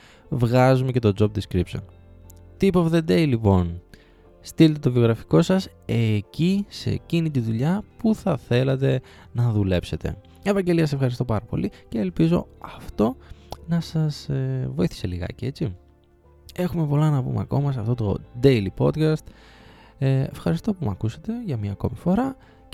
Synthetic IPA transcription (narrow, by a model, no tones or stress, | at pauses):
vɣɐzumece̞t̪o̞d͡zo̞b̚d̪iskɾipso̞̰n | t̪ipofðe̞d̪eilipo̞n | st̪ilet̪et̪o̞vio̞ɣɾɐfi̥ko̞sɐse̞cise̞̰cinit̪̬iðuʎɐpuθɐθe̞lɐt̪e̞ | nɐðule̞pse̞t̪e̞̰ | evɐɲɟe̞liɐsefxɐɾist̪o̞pɐɾɐpo̞̰lice̞ːlpizo̞̰ɐft̪o̞nɐsɐsvo̞iθi̥se̞liɣɐ̰cee̞t͡si | e̞xume̞po̞lɐnɐpṵmeɐ̰ko̞mɐs̬ɐft̪o̞t̪o̞̰d̪ejlipo̞d̪kɐst̪ | efxɐɾist̪o̞pumɐkuset̪e̞ʝɐmɲɐko̞mifo̞ɾɐ